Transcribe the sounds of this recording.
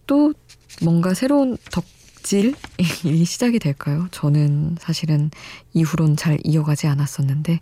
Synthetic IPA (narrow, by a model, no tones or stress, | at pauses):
t͈omwʌŋɡasʰe̞ɾountʌk̚ | t͡ɕ͈iɭiiɕʰid͡ʑaɡidwe̞ɭk͈ajot͡ɕʌnɯnsʰaɕʰiɾɯniɸuɾont͡ɕaɾḭʌɡad͡ʑianas͈ʌnːɯnde̞